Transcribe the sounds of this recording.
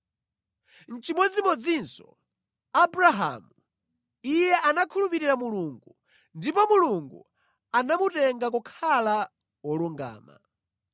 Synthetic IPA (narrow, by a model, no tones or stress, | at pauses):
n̩t͡ʃimwɔd͡zimɔd͡zinsɔ̥ | abɾaɦa̰mu | ijɛʔanakʰulupiɾiɾamuluŋɡu | ndipɔmuluŋɡṵ | anamutɛŋɡak̬ukʰala | wɔluŋɡa̰ːma̰